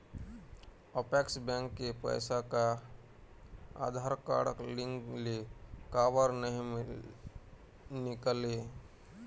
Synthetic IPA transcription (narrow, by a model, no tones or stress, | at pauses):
əpɛːksbɛ̃ŋkːepə̰ɪsaka | a̰ːd̪ʱaːɾka̰ːɽəklɪ̃ŋɡlekaːʋəɾnəɦĩ | nɪkleː